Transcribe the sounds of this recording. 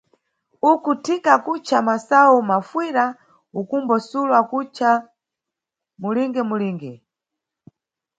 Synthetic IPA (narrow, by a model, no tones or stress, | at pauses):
ukutʰikakut͡ʃʰamasawumafwiɾa | ukumbɔsulwakut͡ʃa | muliŋɡɛmuliːŋɡɛ